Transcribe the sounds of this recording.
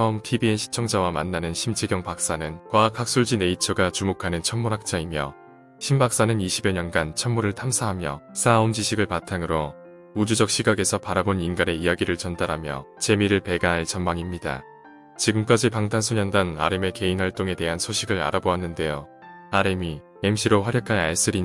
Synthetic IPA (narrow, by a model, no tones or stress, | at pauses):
t͡ɕʰʌmtʰibienɕʰi̥t͡ɕʰʌŋd͡ʑawamanːanɯnɕʰimt͡ɕʰeɡjʌŋpak̚s͈anɯnkwakʰak̚s͈uɭd͡ʑine̞it͡ɕʰʌɡat͡ɕumokʰanɯnt͡ɕʰʌnmuɾɦak̚t͡ɕ͈aimjʌ | ɕʰimbak̚s͈anɯniɕʰibeɲʌnɡant͡ɕʰʌnmuɾɯɭtʰamsʰaɦamjʌsʰaund͡ʑiɕʰiɡɯɭpatʰaŋɯɾo | ud͡ʑud͡ʑʌk̚ɕ͈ʰiɡaɡe̞sʰʌpaɾaboninɡaɾe̞ijaɡiɾɯɭt͡ɕʌndaɾɦamjʌ | t͡ɕe̞miɾɯɭpe̞ɡaɦaɭt͡ɕʌnmaŋimɲida̰ | t͡ɕiɡɯmk͈ad͡ʑipaŋtʰansʰoɲʌndana̰ɾeme̞ke̞inwaɭt͈oŋe̞te̞ɦansʰoɕʰiɡɯɾa̰ɾaboanːɯnde̞jo | aɾemi | emɕ͈ʰiɾoɸwaɾjʌkʰaaɭs͈ɯɾi